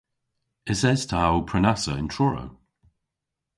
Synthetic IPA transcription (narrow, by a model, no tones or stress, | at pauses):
ɪzɛz̥tʰaawpʰɹɛnasə̰ɪ̃ntʰɹɔɹə̰w